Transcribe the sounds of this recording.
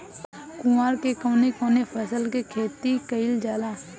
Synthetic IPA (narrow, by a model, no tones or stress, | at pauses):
kʊaːɾkekoːnekõːnefʰəsəlkekʰeːt̪ikəɪld͡ʒaːlaː